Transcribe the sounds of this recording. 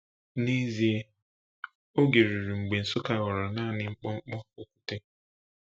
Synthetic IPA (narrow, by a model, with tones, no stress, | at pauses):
ni˦zi˨e˦ | o˦ɡe˨ɾi˨ɾi˨ŋ͡m̩˨ɡ͡be˨n̩˨sʊ˦ka˨ɣɔ˨ɾɔ˨na˦˨nɪ˦ŋ͡m̩˦k͡pɔ˦ŋ͡m̩˦k͡pɔ˦o˨kʷu̥˦te˦